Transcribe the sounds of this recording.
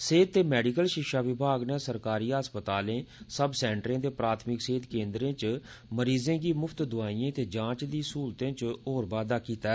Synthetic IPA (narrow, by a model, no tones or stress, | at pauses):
seːd̪̚t̪eːmɛːɖikəlʃɪkʃaːʋɪbʱaːɡneːsəɾkaːɾiːəspət̪aːlẽːsəbsɛːɳʈɾẽːd̪eːpɾaːt̪ʰmɪkseːd̪kẽːnd̪ɾẽːt͡ʃ | məɾiːzẽːɡiːmʊpʰt̪d̪ʊaːiːẽːt̪eːd͡ʒãːt͡ʃd̪iːsuːɾt̪ẽːt͡ʃoːɾbaːd̪aːkiːt̪aɛ